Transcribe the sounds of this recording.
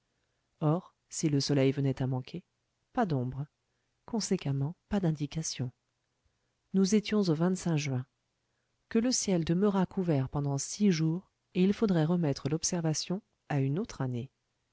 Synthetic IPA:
ɔʁ | siləsɔlɛjvənɛt̪amɑ̃kʰe | pad̪ɔ̃bʁ | kɔ̃sekamɑ̃pad̪ɛ̃d̪ikasjɔ̃ | nuzet̪jɔ̃zovɛ̃t̪sɛ̃ʒɥɛ̃ | kələsjɛld̪əmœʁakʰuvɛʁpɑ̃d̪ɑ̃siʒuʁ | eilfod̪ʁɛʁəmɛt̪χəlɔpsɛʁvasjɔ̃ | aynot̪χane

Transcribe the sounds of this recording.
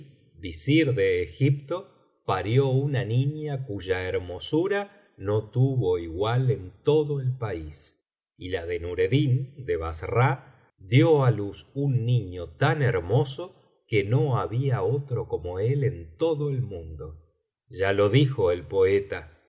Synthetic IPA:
bisiɾðe̞ːxip̚t̪o̞ | paɾjo̞unanĩɲakuʒaeɾmo̞suɾa | no̞t̪uβo̞iɣwale̞nt̪o̞ðo̞elpais | ilaðenuɾe̞ðind̪eβasra | d̪joalusunːiɲo̞t̪aneɾmo̞so̞ | ke̞no̞aβiaot̪ɾo̞ko̞mo̞e̞le̞nt̪o̞ðo̞elmũnd̪o̞ | ʒalo̞ðixo̞elpo̞et̪a

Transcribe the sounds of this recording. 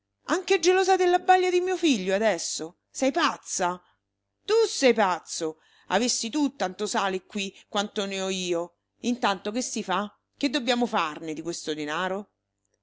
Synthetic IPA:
aŋked͡ʒelɔːzad̪elːabːaʎːad̪imiːofiʎːoad̪ɛsːo | sɛjpat̪sːa | t̪usɛjpat̪sːo | a̰vesːit̪ut̪ːant̪osaːlikwikːwant̪oneɔiːo | int̪ant̪ok̟esːifa | k̟ed̪ːobjaːmofarned̪ikwest̪od̪enaːɾo

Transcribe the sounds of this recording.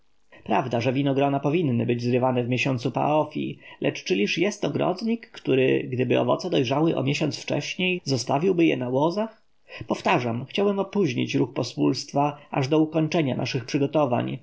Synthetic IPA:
pɾavd̪aʐɛvʲinɔɡɾɔnapɔvʲinːɘbɘd͡ʑzɾɘvanɛvmʲjeɕɔnt̪supa̰ɔfʲḭlʔɛt͡ʂt͡ʂɘlʲiʂjɛst̪ɔɡɾɔ̰d̪ɲikːt̪uɾɘɡd̪ɘbɘɔ̰vɔ̰t̪sɛd̪ɔjʐawɘʔɔ̰mʲjeɕɔnt̪sft͡ʂɛ̰ɕɲejzɔst̪avʲiwbɘjɛ̰nawɔzax | pɔft̪aʐamxt͡ɕawɛmɔpuʑɲḭt͡ɕɾuxpɔspulst̪faaʐd̪ɔukɔɲt͡ʂɛɲa̰na̰ʂɘxpʂɘɡɔt̪ɔva̰ɲ

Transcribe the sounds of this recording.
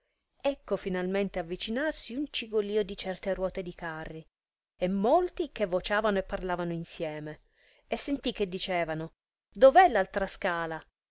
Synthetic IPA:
ɛkːofinalment̪eavːit͡ʃinarsiunt͡ʃiɡoliːod̪it͡ʃɛrt̪erwɔːt̪ed̪ikarːi | emːolt̪ikevːot͡ʃaːvanoepːarlaːvanoinsjɛːme | esːent̪ik̟ːed̪ːit͡ʃɛːvano | d̪ovɛlːalt̪ɾaskaːla

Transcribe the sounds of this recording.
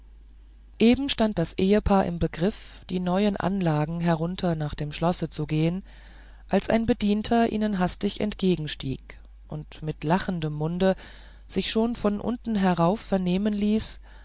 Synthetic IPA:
ʔeːbm̩ʃtant̚d̥asʔeːəpʰaːɐʔɪ̰mbəɡʁɪfd̥iːnɔʏənʔa̰nlaːɡŋ̩ɦɛʁ̞ʊntʰɐnaːχd̥eːmʃlɔsət͡suɡeːən | ʔalsʔa̰ɪnbədiːntʰɐʔḭːnənɦastɪçɛ̰ntɡ̥eːɡŋ̩ʃtḭːk | ʔʊ̰ntmɪtlaχəndəmːʊndə | z̥ɪçʃoːnfɔnʔʊ̰ntn̩ɦɛʁaʊfːɛɐneːmənliːs

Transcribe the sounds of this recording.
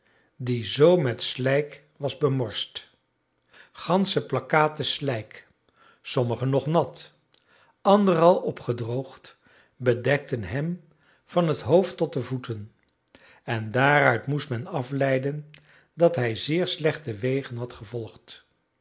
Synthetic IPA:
dizowmɛtslɛjk | ʋɑzbəmɔɹst | χɑnsəplɑkaːtəslɛjk | sɔməχənɔχnɑt | ɑndərɑlˠɔpχədrowχt | bədɛk̚tənɦɛm | v̥ɑnɦətɦowftːɔt̚dəvutən | ɛndaːrœɥtmustmɛnɑflɛjdən | dɑtɦɛjzɪːɹslɛχtəʋejχənɦɑtχəvɔlˠχt

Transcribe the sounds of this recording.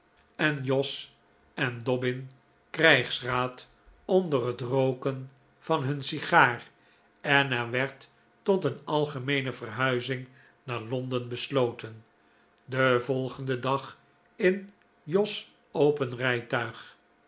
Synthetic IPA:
ɛnjɔs | ɛndɔbɪn | krɛjχsraːt | ɔndərɦətrowkən | v̥ɑnɦɵnsiχaːr | ɛnɛʋɛɹtː | ɔtənɑlˠχəmejnəvərɦœɥzɪŋ | naːɹlɔndənbəslowtən | dəvɔlˠχəndədɑχ | ɪn | jɔs | owpənrɛjtœɥχ

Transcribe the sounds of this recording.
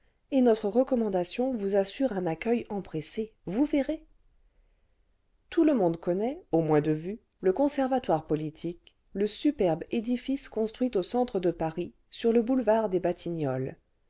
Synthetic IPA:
enɔt̪χəʁəkɔmɑ̃d̪asjɔ̃vuzasyʁɛ̃nakʲœjɑ̃pχesevuveʁe | t̪uləmɔ̃d̪kɔnɛomwɛ̃d̪əvy | ləkɔ̃sɛʁvat̪waʁpɔlit̪ʰik | ləsypɛʁbed̪ifiskɔ̃st̪χɥit̪osɑ̃t̪χəd̪əpaʁi | syʁləbulvaʁd̪ebat̪ʰinɔl

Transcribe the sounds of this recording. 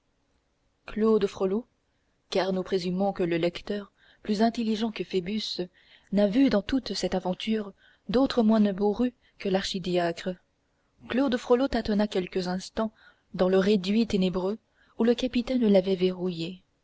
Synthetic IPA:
klod̪fχolo | kaʁnopχezymɔ̃kələlɛkt̪œʁ | plyzɛ̃t̪eliʒɑ̃kəfebys | navyd̪ɑ̃t̪ut̪sɛt̪avɑ̃t̪ʰyːʁ | d̪ot̪χəmwɛ̃nəboʁy | kəlaʁʃid̪jakχə | klod̪fχolot̪at̪ɔnakʲɛlkəzɛ̃st̪ɑ̃ | d̪ɑ̃ləʁed̪ɥit̪enebʁø | uləkapit̪ɛ̃nəlavɛveʁuje

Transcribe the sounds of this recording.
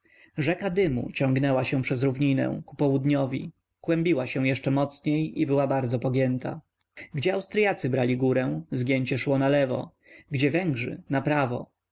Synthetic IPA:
ʐɛkad̪ɘmṵt͡ɕɔ̃ŋɡnɛwaɕɛ̃pʂɛzɾuvɲinɛ̰̃kupɔwud̪ɲɔvʲḭ | kwɛmbʲiwaɕɛ̃w̃jɛʂt͡ʂɛmɔt̪sɲejibɘwabaɾd̪zɔpɔɡʲjɛnt̪a̰ | ɡd͡ʑɛawst̪ɾjat̪sɘbɾalʲiɡuɾɛw̃zɡʲjeɲt͡ɕɛʂwɔnalɛvɔ̰ | ɡd͡ʑɛvɛŋɡʐɘ̰napɾavɔ̰

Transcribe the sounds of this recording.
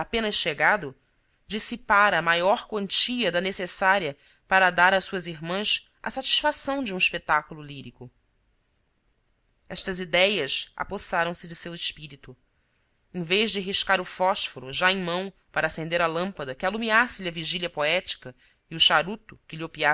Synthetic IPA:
apẽnɐsʃʃeɡad̪ʊ | d͡ʒisipaɾɐːmajɔɾkwɐ̃nt͡ʃiɐd̪ɐnesesaɾiɐ | paɾɐd̪aɾasuɐziɦmɐ̃s | ɐ̰sat͡ʃi̥ʃfasɐ̃w̃d͡ʒɪũiʃpet̪akululiɾikʊ | ɛʃt̪ɐzid̪ɛjɐsa̰posaɾɐ̃w̃sɪd͡ʒɪsewɪʃpiɾit̪u | ẽj̃veʒd͡ʒɪɦiʃkaɾʊfɔʃfoɾuʒaẽj̃mɐ̃w̃ | paɾɐːsẽnd̪eɾɐlɐ̃mpɐd̪ɐkɪalumiasɪlɪɐviʒiliɐpoɛt͡ʃi̥kɐ | iʊʃaɾut̪ʊkɪliopia

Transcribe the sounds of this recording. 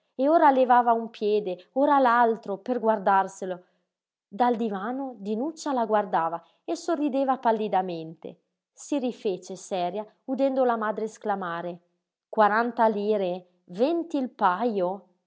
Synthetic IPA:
eoːɾalevaːvaumpjɛːd̪eoːɾalalt̪ɾoperɡward̪arselo | d̪ald̪ivaːnod̪inut͡ʃːalaɡward̪aːva | esorːid̪eːvapalːid̪ament̪ḛ | sirifet͡ʃesɛɾja | ud̪ɛnd̪olamaːd̪ɾesklamaːɾe | kwaɾant̪aliːɾe | vɛnt̪ilpajo

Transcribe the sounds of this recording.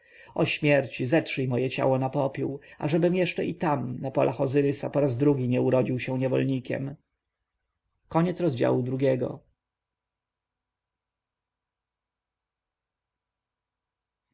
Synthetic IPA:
ɔɕmʲjɛɾt͡ɕizɛtʂɘjmɔjɛt͡ɕa̰wɔnapɔpʲjiwa̰ʐɛbɘmjɛʂt͡ʂɛit̪amnapɔ̰lʔaxɔzɘɾɘsapɔɾazd̪ɾuɡʲiɲɛuɾɔd͡ʑiwɕɛ̃ɲɛvɔ̰lɲikʲɛ̰m | kɔɲɛt̪sɾɔzd͡ʑa̰wud̪ɾuɡʲɛɡɔ̰

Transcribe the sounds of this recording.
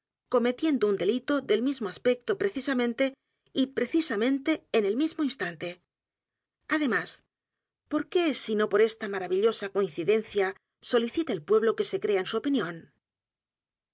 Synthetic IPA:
ko̞me̞t̪je̞nd̪ound̪e̞lit̪o̞ðe̞lmizmoaspe̞k̚t̪opɾe̞θisamẽnt̪e̞ | ipɾe̞θisamẽ̞nt̪e̞ːne̞lmizmoinst̪ant̪e̞ | aðe̞mas | po̞ɾke̞sino̞po̞ɾe̞st̪amaɾaβiʎo̞sako̞ĩn̟θiðe̞n̟θja | so̞liθit̪eːlpwe̞β̞lo̞ke̞se̞kɾe̞aensuopinjõ̞n

